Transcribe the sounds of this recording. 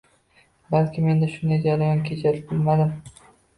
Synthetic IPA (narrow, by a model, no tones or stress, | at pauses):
balkʲʰɪme̞nd̪aʃʊnd̪ajd͡ʒaɾajɒnkʲʰet͡ʃʰaɾɪbɪlmad̪ɪm